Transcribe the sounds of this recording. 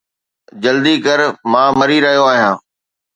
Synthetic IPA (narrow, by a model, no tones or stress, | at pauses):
d͡ʑɐld̪ikɐɾmãːmɐɾiɾɐɦijoaːɦijãː